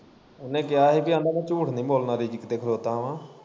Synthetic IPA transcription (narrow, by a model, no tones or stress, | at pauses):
ʊnẽːk̬ɪjaːɦeːbiãːnãːnãːt͡ʃuːʈʰnĩːboːlnaːɾiːd͡ʒɪkd̪eːkʰd̪oːt̪ãːʋãː